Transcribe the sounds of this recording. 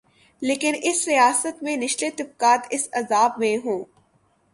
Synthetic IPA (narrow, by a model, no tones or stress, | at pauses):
leːkɪnɪsɾijaːsət̪mẽnɪʃlet̪ɪb̚kaːt̪ɪsɐzaːbmẽɦõː